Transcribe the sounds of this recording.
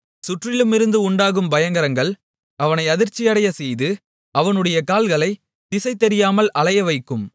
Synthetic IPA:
sʊʈrɪlɯmɪɾɯnd̪ɯʊɳɖaːɣɯmbɐjɐŋɡɐɾɐŋɡɐɭ | ɐʋɐnɐɪɐðɪɾt͡ʃːɪjɐɽɐjɐsɛjðɯ | ɐʋɐnɯɽɐjɐkaːlɣɐɭɐɪ | t̪ɪsɐɪt̪ɛɾɪjaːmɐlɐɭɐjɐʋɐɪkːɯm

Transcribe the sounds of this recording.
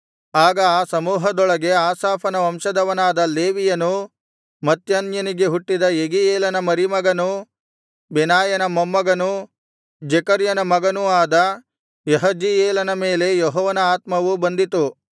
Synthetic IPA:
aːɡɐaːsɐmuːɦɐd̪ɔɭɐɡe̞aːsaːpʰɐnɐʋɐmʃɐd̪ɐʋɐnaːd̪ɐleːʋijɐnu | mɐt̪janjɐniɡe̞ɦuʈːid̪ɐeɡieːlɐnɐmɐɾimɐɡɐnu | bɛnaːjɐnɐmɐmːɐɡɐnu | d͡ʒɛkɐɾjɐnɐmɐɡɐnuaːd̪ɐ | jeɦɐd͡ʒieːlɐnɐme̞ːle̞jɔɦɔːʋɐnɐaːt̪mɐʋubɐnd̪it̪u

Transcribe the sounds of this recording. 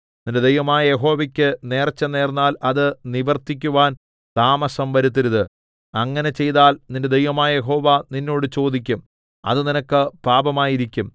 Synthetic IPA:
ninded̪ejʋɐmaːjɐje̞ɦo̞ːʋɐkʲːɨne̞ːrt͡ɕːɐne̞ːrnːaːlɐðɨniʋɐrt̪ːik̬ʲːuʋaːn | t̪aːmɐsɐmʋɐɾut̪̬ːiɾuðɨ | ɐŋːɐne̞t͡ɕe̞jðaːlninde̞d̪ejʋɐmaːjɐje̞ɦo̞ːʋaninːo̞ːɽɨt͡ɕo̞ːd̪ik̬ʲːum | ɐ̰ðɨninɐkːɨpaːbɐmaːjiɾikʲːum

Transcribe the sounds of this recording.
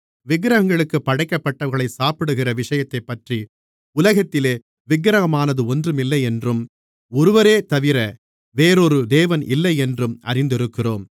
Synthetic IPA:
ʋɪɡɾɐɐŋɡɐɭɯkːɯpːɐɽɐɪkːɐpːɐʈːɐʋɐɣɐɭɐɪsaːpɪɽɯɣɪrɐʋɪʂɐjɐt̪ːɐɪpːɐʈri | ʊlɐɣɐt̪ːɪleː | ʋɪɡɾɐɣɐmaːnɐðɯɔndrɯmɪlːɐɪɛndrɯm | ɔɾɯʋɐɾeːt̪ɐʋɪɾɐ | ʋeːɾɔɾɯd̪eːʋɐnɪ̰lːɐɪɛndrɯmɐ̰ɾɪnd̪ɪɾɯkːɪroːm

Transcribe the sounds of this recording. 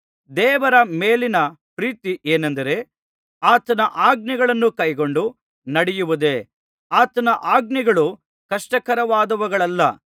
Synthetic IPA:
d̪ɛːʋɐɾɐmeːlinɐpɾiːt̪iʔeːnɐnd̪ɐɾe̞ | aːt̪ɐnɐʔaːɡ̚niɡɐɭɐnːukɐjɡo̞ɳɖu | nɐɽɛjuʋud̪e | aːt̪ɐnɐʔaːɡ̚niɡɐɭu | kɐʂʈɐkɐɾɐʋaːd̪ɐʋɐɡɐɭɐlːɐ

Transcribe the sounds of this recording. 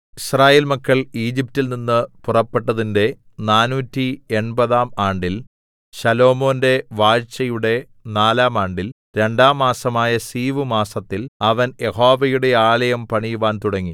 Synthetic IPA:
israːjeːlmɐkːɐɭiːd͡ʑip̚tːilninːɨpurɐpːe̞ʈːɐðinde̞ | naːnuːtːieɳbɐðaːmaːɳɖil | ɕɐlo̞ːmo̞ːnde̞ʋaːɻt͡ɕːɐjuɽe̞ | naːlaːmaːɳɖil | ɾe̞ɳɖaːmːaːsɐmaːjɐsiːʋɨmaːsɐt̪ːilɐʋɐnje̞hoːʋɐjuɽe̞aːlɐjɐmpɐɳijuʋaːnt̪uɽɐŋːi

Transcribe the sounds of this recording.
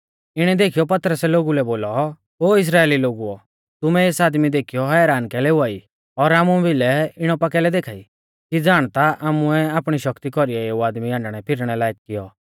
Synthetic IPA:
ɪɽ̃ɛd̪eːkʰijɔpɐt̪ɾəsɛloːɡulɛboːlɔ | ɦoːɪs̬ɾaːeːliloːɡuɔ | t̪ʊmɛeːsaːd̪mid̪eːkʰijɔɦɛːɾaːnkɛlɛuaːi | ɔɾaːmubʱɪlɛɪɽ̃ɔpɐkɛlɛd̪eːkʰaːi | kid͡zaːɽ̃t̪aʔaːmʊɛaːpɽ̃iʃɐkt̪ikɔɾiɛeuaːd̪miãːɳɖɽ̃ɛpʰɪɾɽ̃ɛlaːek̚kɪjɔ

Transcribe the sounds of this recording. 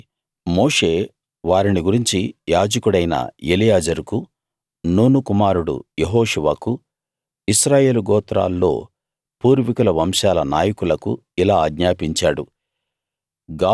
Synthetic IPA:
moːʂe̞ː | ʋaːɾiniɡuɾiɲt͡ʃijaːd͡ʒɐkuɽɐjnɐ̰elijaːd͡ʒɐɾuku | nuːnukumaːɾuɽṵjeɦoːʂuʋaːku | isɾaːje̞ːluɡɔːt̪ɾa̰ːlːo̞̰ː | puːɾʋikulɐʋɐmʃaːlɐnaːjɐkulɐkṵilaːɡɲaːpiɲt͡ʃaːɽṵ | ɡaː

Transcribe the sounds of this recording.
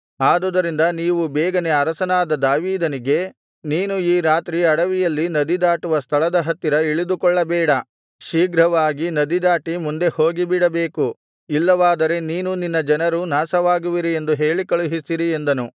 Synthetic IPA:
aːd̪ɔd̪ɐɾind̪ɐniːʋubɛːɡɐne̞ɐɾɐsɐnaːd̪ɐd̪aːʋiːd̪ɐniɡe̞ | niːnuiːɾaːt̪ɾiɐɽɐʋijɐlːinɐd̪id̪aːʈuʋɐst̪ʰɐɭɐd̪ɐɦɐt̪ːiɾɐiɭid̪ukɔɭːɐbɛːɽɐ | ʃiːɡɾɐʋaːɡinɐd̪id̪aːʈimund̪e̞ho̞ːɡibiɽɐbe̞ːku | ilːɐʋaːd̪ɐɾe̞niːnuninːɐd͡ʒɐnɐɾunaːsɐʋaːɡuʋiɾie̞nd̪uɦeːɭikɐɭuɦisiɾie̞nd̪ɐnu

